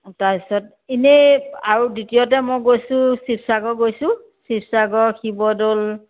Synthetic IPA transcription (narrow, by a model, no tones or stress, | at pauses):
taisɔt | ineaɹuditijɔtɛmɔjɡojsʊ̃sipsaɡɔɡojsʊ̃ | sipsaɡɔxʰibɔdol